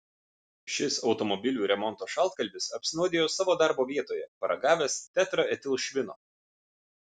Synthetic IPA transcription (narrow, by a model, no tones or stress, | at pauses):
ʃʲɪsɒʊt̪ɔmɔbʲɪlʲuːɾʲɛmɔnt̪oːʃɑlˠt̪kɐlʲbʲɪsɐpʲsʲɪnuʊd̪ʲeːjoːsɑːʋoːd̪ɑˑɾboːʋʲiɛt̪oːjɛpɐɾɐɡɑːʋʲɛst̪ʲæt̪ɾɐɛt̪ʲɪlˠʃʲʋʲɪno̰ː